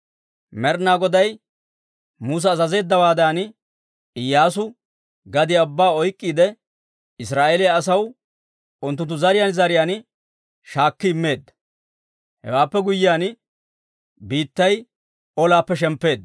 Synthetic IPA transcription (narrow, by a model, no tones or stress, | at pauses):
mɛɾnaːɡɔd̪ɐj | muːs̬ɐːzɐze̞ːd̪ːɐwaːd̪aːn | ɪjːaːs̬ʊ | ɡɐd̪ɪjɐbːaːɔjkʼːiːd̪ɛ | ɪsɾaːʔelɪjaːsɐw | ʊnt̪̬ːʊnt̪ːʊzɐɾɪjaːnzɐɾɪjaːn | ʃaːkːɪɪmːe̞ːd̪ːɐ̥ | hɛ̰waːpːɛɡʊjːɪjaːn | biːt̪ːɐj | ɔlaːpːɛʃ̬ɛmpːe̞ːd̪ːɐ